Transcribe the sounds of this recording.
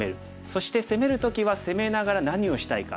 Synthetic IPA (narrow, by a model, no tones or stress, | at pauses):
e̞ɾɯ̟ | so̞ɕi̥t̪e̞se̞me̞ɾɯ̟t̪o̞kʲiβase̞me̞naɡaɾanaɲ̟io̞ɕi̥t̪aika̰